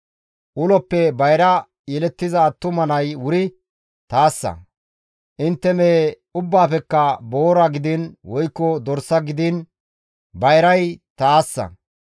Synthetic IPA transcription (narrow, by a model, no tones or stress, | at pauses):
ʔʊlɔpːɛbɐjɾɐ | jɛlɛt̪ːɪzɐːt̪ːʊmɐnɐjwʊɾɪ | t̪aːsːɐ̰ | ʔɪnt̪ːɛmeː | ʊbːaːfɛkːɐbo̞ːɾɐɡɪd̪ɪnwɔjkːɔd̪ɔɾsːɐɡɪd̪ɪn | bɐjɾɐjt̪aːsːɐ̰